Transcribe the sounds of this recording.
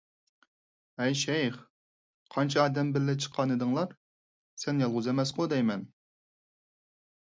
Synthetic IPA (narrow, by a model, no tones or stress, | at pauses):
ɛjʃɛjχ | qʰɑnt͡ʃʰɑɑːd̪ɛmbɪɾːɪt͡ʃʰə̥qʰːɑnɨd̪ɨŋlˠɑɾ | sɛnjɑlˠʁʊzemɛsqod̪ɛjmɛn